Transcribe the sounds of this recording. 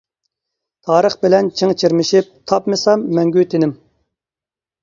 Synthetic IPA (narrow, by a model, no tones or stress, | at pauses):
t̪ʰɑːɾəχbɪlɛnt͡ʃʰiŋt͡ʃʰiɾmɪʃip̚t̪ʰɑpmɨsɑmːɛŋɡʲyt̪ʰɪnɪm